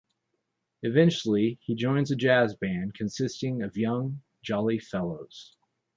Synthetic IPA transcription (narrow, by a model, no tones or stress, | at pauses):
ɨvɛ̃nt͡ʃl̩ˠiid͡ʒɔ̃ɪ̃nzɨd͡ʒæzbæ̃nkʰɨ̃nsɪstɪ̃ŋʌvjʌ̃ŋ | d͡ʒɑlˠifɛlˠoʊz̥